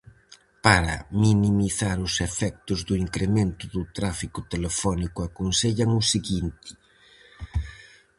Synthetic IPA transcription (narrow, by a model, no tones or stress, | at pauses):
paɾɐ̰minimiθaɾʊsefɛk̚t̪ʊzðuiŋkɾemẽnt̪ʊðut̪ɾafikʊt̪elefɔnikuakonseʎaŋʊsiɣint̪ɪ̥